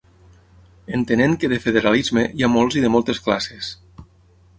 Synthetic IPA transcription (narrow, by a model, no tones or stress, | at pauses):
ent̪eneŋkəðəfeðeɾalizmeiamɔlˠziðəmɔlˠt̪esklases